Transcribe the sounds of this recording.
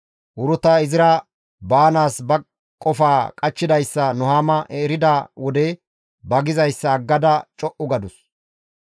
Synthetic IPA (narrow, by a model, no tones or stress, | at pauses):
ʔʊɾʊt̪ɐɪzɪɾɐ | baːnaːsbɐ | kʼːɔfaːkʼɐt͡ʃːɪd̪ɐjsːɐnɔhaːmɐʔɛɾɪd̪aːwɔd̪ɛ | bɐɡɪzɐjsːɐːɡːɐd̪ɐt͡ʃʼɔʔʊɡɐd̪ʊs